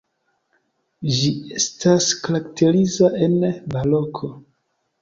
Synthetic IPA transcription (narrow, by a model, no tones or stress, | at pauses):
d͡ʒie̞staskaɾaktʰe̞ɾizaʔe̞nbalokʰo̞